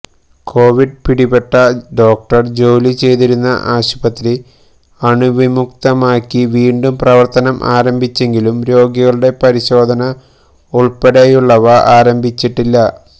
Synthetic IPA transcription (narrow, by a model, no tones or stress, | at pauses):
kʰo̞ːʋiɖ̚piɽibe̞ʈːɐɖo̞ːk̚ʈɐrd͡ʑo̞ːlit͡ɕe̞jt̪iɾunːɐ̰ʔaːɕubɐt̪ːɾi | ɐɳuʋimuk̚t̪ɐmaːkːiʋiːɳɖumprɐʋɐrt̪ɐnɐmʔa̰ːɾɐmbʱit͡ɕːe̞ŋɡilumɾo̞ːɡjiɐɣɐɭuɽe̞pɐɾiɕo̞ːd̪ʱɐnɐ | uɭpeɽejuɭːɐʋɐʔaːɾɐmbʱit͡ɕːiʈːilːɐ